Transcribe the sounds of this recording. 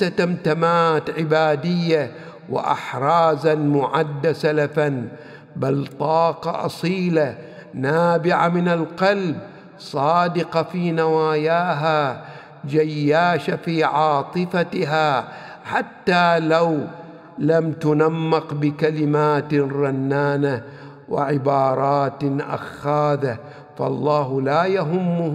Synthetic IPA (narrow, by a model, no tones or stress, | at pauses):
at̪amt̪amaːt̪ʕɪbaːd̪ɪjːa | wɪ̰ʔɪ̰ħɾˤɑːzamʊʕad̪ːasalafan | balt̪ˤɑːqɑ̰ʔɑ̰sˤiːla | naːbɪʕamɪnalqɑlb | sˤɑːd̪ɪqɑfiːnawaːjaːɦa | d͡ʒajːaːʃafiːʕɑːt̪ˤɨfaɦa | ħat̪ːaːlaw | lamt̪ʊnamːɪqbɪkalɪmaːt̪ɾˤɑnːaːna | wɪ̰ʕɪbɑːɾˤɑːt̪ʔa̰xːaːða | fɑ̰lˤːɑːɦlaːjaɦʊmːʊ